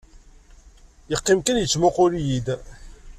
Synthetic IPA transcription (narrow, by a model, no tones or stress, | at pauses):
jəqːimkənjət͡sːmʊqʊɾjid̪